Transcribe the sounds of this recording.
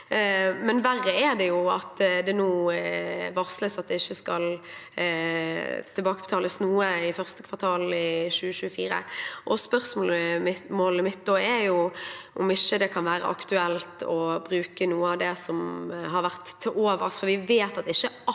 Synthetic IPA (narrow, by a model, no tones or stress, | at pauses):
mɛnʋærːəɛɾd̪ɛjʊɑt̪d̪ɛnuː | ʋɑʁsləsɑt̪̚d̪ɛɪçːəskɑl | t̪ʰɪlbɑːkəb̥ət̪ʰɑːləsnuːəɪfœʁst̪əkʰʋɑʁt̪ʰɑːlɪʃʉːəʃʉːəfiːɾə̰ʔɔspœɾsmoːləmoːləmɪt̪̚ːd̪oːæɾjʊʔɔmɪʃːəd̪ɛkʰɑnʋæːɾə̰ʔɑ̰kt̪ʉɛlt̪ɔbɾʉːkənuːəɑʋd̪ɛsɔmɦɑɾʋæʁt̪ʰːɪloːʋəsfɔɾʋɪʋeːt̪ɑt̪ɪçːə